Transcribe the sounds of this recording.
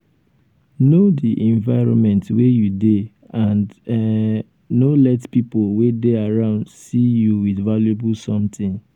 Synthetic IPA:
nodiʔɛ̃ɱvaɪɹɔ̰̃nmɛ̃ntwejude | ãnd | olɛtpipolwedeaɹãʊ̃ndsijuwidvaljebulsɔ̃mtɪ̃ŋ

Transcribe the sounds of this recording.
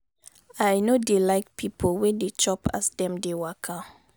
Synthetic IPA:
ajnodelaɪk̚pʰipʰolwɛ̃det͡ʃɔpa̰sdɛ̃mdewakʰa

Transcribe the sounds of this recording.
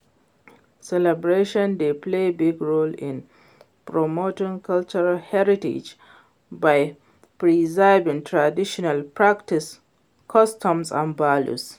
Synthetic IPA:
sɛlɛbɹeʃɔ̃nd̪eplebiɡɹolɪ̃n | pɹɔmotĩŋkʰalt͡ʃəɹalhɛɹitḛd͡ʒ | baj | pɹizaɪbĩŋtʰɹadiʃɔnalpɹaktis | kʰɔstɔ̃msã̰nvalṵs

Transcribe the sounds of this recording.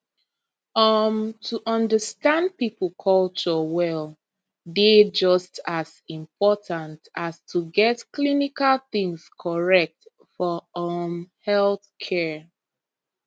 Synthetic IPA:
ʌmtʰuʔʌ̃ndəstãnd̚pipl̩ˠkʰɔlt͡ʃɔwɛl | ded͡ʒʌstasĩmpʰɔtʰãntastʰuɡɛtklinikalθĩŋskʰɔɹɛk̚t | fɔɔmhɛlθkʰɛ

